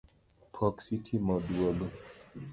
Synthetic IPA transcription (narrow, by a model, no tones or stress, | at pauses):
pʰɔksitʰimɔduɔlɔ